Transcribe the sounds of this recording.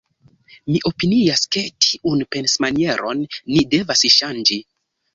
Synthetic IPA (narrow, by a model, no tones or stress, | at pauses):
miʔo̞piniaske̞tʰiʔunpe̞nsmanie̞ɾʔo̞̰nːide̞vasʃand͡ʒi